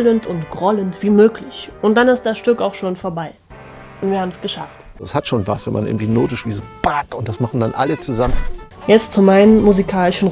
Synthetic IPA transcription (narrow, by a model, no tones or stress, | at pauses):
ləntʊntɡ̥ʁɔləntv̥iːmøːklɪçʔʊntd̥anɪstd̥asʃtʏkaʊxʃoːnfoːɐbaɪ | ʔʊntv̥iːɐhaːbmɛsɡ̥əʃa̰ft | ɛshatʃoːnvasv̥ɛnmʔanɪ̰ɐŋ̩tv̥iːnoːtɪʃv̥iːzob̥atʊntd̥asmaχn̩danʔalət͡suzamən | jɛt͡stt͡sumaɪnəmmuzikʰaːlɪʃn̩